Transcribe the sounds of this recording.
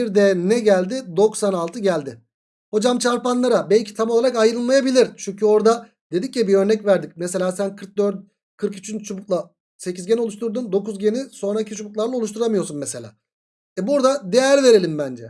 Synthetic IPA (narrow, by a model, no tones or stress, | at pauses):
biɾd̪ɛnɛɟælʲd̪ɪd̪o̞ksanalˠt̪ʰɯɟælʲd̪ɪ | ho̞d͡ʒamt͡ʃʰaɾpanlˠaɾabɛlʲcʰi̥t̪ʰamo̞lˠaɾakajɾɯlˠmˠajabilʲiɾt͡ʃʰyɲcʰyo̞ɾd̪a | d̪̥e̞d̪iccibiø̞ɾnɛcvæɾd̪ic̚mese̞lʲaːsænkʰɯɾk̚d̪øɾd̪̚ | kʰɯɾkyt͡ʃʰynt͡ʃʰubuklˠa | se̞cizɡeno̞lˠuʃ̬t̪ʰuɾd̪und̪o̞kuzɟe̞niso̞nɾaicʰit͡ʃʰubuklˠaɾlˠao̞lˠuʃ̬t̪ʰuɾamɯjo̞ɾsunmeselʲa̰ː | ɛbuɾd̪ad̪ejæɾve̞ɾe̞lʲimbænd͡ʒɛ